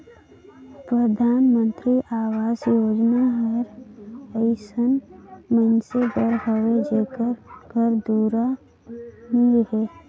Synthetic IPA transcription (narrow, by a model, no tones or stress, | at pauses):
pɾəd̪ʱaːnmə̃nt̪ɾiʔaːwaːzjoːd͡ʒnaɦəɾəɪsənmənseɡəɾɦəwed͡ʒeːkəɾɡʱəɾd̪uːɾa | nilɦeː